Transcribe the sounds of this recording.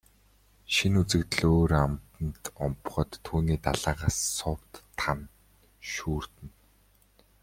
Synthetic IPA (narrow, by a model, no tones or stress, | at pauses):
ʃinut͡sɘ̆kt̪̆ɮoːɾamt̪ə̆nt̪ɔmpχɞ̆t̪ʰːuːniːt̪aɮaːʁaːsːʊpt̪ːʰan | ʃuːr̥t̪ɘ̆n